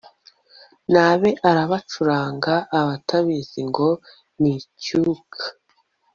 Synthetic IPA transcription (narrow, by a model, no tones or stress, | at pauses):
naːβe̞ʔaɾaβat͡ʃuɾaːŋɡaʔːβatʰaβiziŋɡo̞ | nicukʰḁ